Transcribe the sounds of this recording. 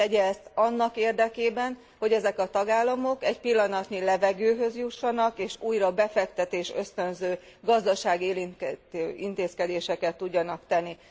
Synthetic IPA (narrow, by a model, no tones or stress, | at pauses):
ɛɟɛst̪ɒnːɒkeːrd̪ɛkeːbɛn | ho̞ɟɛzɛkɒt̪ɒɡaːlːɒmo̞kɛcpilːɒnɒt̪nilɛvɛɡøːɦø̞zjuʃːɒnɒkeːʃuːjɾɒbɛfɛkt̪ɛt̪eːʃø̞st̪ø̞nzøːɡɒzd̪ɒʃaːɡeːliøint̪eːskɛd̪eːʃɛkɛt̪ːuɟːɒnɒkt̪ɛnːi